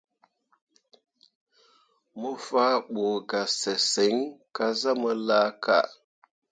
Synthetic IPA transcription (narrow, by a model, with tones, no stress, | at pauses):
mə˦fa˦ɓo˨ɡa˨se˨se˨˦ŋka˦za˦mə˦la˦kʰa̰˦˨